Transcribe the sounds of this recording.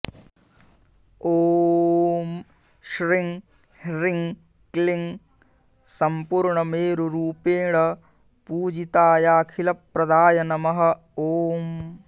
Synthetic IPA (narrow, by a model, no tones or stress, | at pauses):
oː | m | ʃɾiŋ | ɾiŋ | kliŋ | sɐmpuːɾɳɐmeːɾuɾuːpeːɳɐ | puːd͡ʒit̪aːjaːkʰilɐpɾɐd̪aːjɐnɐmɐɦɐ̆ | oːm